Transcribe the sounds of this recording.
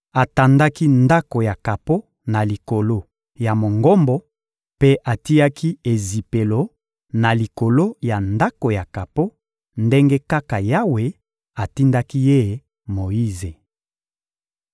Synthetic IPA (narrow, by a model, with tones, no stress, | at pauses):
a˨ta˨nda˦ki˦nda˦ko˨ja˨ka˨po˦ | na˨li˨ko˨lo˦ | ja˨mo˨ŋɡo˦mbɔ˦ | pe˦ʔa˨ti˦a˦kʰi˦e˨zi˨pe˨lo˨ | na˨li˨ko˨lo˦ja˨nda˦ko˨ja˨ka˨po˦ | nde˦ŋɡe˦ka˦ka˨ja˦we˨ | a˨ti˦nda˦ki˦je˦˨ | mo˨ji˦ze˨